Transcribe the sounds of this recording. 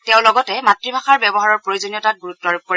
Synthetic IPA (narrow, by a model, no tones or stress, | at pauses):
tɛʊ̃lɔɡɔtɛmatɹibʱaxaɹbɛbɔɦaɹɔɹpɹojuzonijɔtat̚ɡuɹutːɔɹup̚poɹi